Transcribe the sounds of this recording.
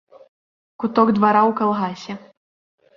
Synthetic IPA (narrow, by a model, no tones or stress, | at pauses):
kut̪ɔɡd̪vaɾawkalˠɣasʲɛ